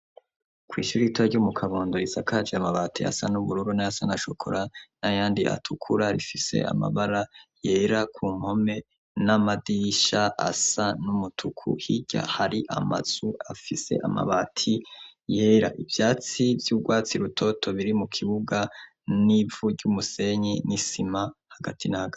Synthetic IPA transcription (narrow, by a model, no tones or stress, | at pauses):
kwiːʃuɾiitaɾɟumukʰaβoːndoizakʰad͡ʒeamaβatʰia̰sa̰nuβuɾuɾunajasanaʃo̞kʰo̞̰ɾanajaːndiʔa̰tʰukʰuɾaɾḭfise̞̰a̰ma̰βaɾaje̞ɾakʰuːm̥ho̞me̞ | namadiʃaʔa̰sanumutʰukʰṵhiɟa̰haɾiʔa̰ma̰z̥uafise̞̰ʔa̰ma̰βatʰije̞ːɾa̰ʔivjaːt͡sivjuːɡwaːt͡siɾutʰo̞tʰo̞βiɾimukʰiβuɡa | nivuɟumuse̞ɲenisimahaɡatʰinahaɡa